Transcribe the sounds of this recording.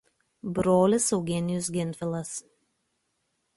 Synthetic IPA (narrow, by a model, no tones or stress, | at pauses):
bɾoːlʲɪsɒʊɡʲiɛnʲɪjʊs̬ɡʲɪnʲfʲɪlˠɐs